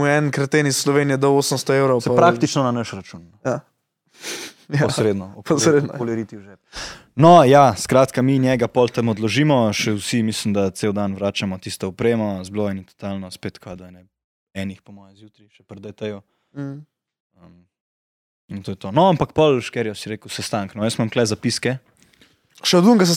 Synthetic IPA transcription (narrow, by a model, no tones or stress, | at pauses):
muɛnkɾɐt̪enisːlɔʋenijɛd̪ɔoːsənst̪ɔewɾowsɛpɾakt̪it͡ʃnɔnanəʃɾat͡ʃunnɔja | pɔsɾed̪nɔpɔsɾed̪nkɔlɛɾit̪iuʒɛpnɔjaskɾaːt̪kaminjɛɡapɔlt̪əmɔd̪lɔʒimɔʃɛwsimislimd̪at̪sewd̪anʋɾaːt͡ʃamɔt̪ist̪ɔɔpɾeːmazbloːjɛnit̪ɔ̥t̪alnɔspet̪kʰad̪anɛ | ɛnixpɔmɔːjɛzjut̪ɾiʃɛpɾd̪əjt̪ɛjɔ | əm | int̪oːjɛt̪onɔampakpɔlʃkɛɾjɛsiɾeːkusɛst̪aŋknɔjəsmamklɛzapiskɛ | ʃɛd̪uŋɡɐs̬